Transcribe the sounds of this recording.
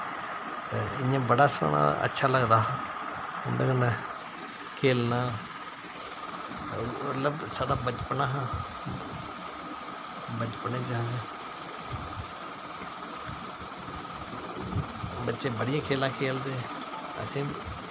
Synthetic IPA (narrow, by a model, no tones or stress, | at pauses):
ɪjãːbəɽaːso̰ːnã̰ːə̰tːʃʰaːləɡd̪aːɦãːʊnd̪əkənɛ | kʰeːlnãː | mət̪ləbsaːɽaːbət͡ʃpnaːɦãː | bət͡ʃpnẽːd͡ʒaãd͡ʒa | bətːʃeːbəɽɪjãːkʰeːlãːkʰeːld̪eː | ə̰sĩː